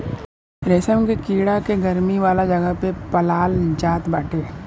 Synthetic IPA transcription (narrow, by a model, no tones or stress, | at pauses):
ɾesəmkekiːɽakeɡɐɾmiʋaːlad͡ʒɐɡəɦpepɐlaːld͡ʒaːt̪bəːʈʰeː